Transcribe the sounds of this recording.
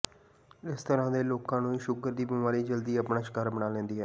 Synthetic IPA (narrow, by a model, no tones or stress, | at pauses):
ɪst̪əɾãːd̪eːloːkãːnũːiːʃʊɡəɾd̪iːbimaːɾiːd͡ʒəld̪iːəpɳaːʃɪ̥kəːɾbənaːlɛ̃ːnd̪iːɦɛː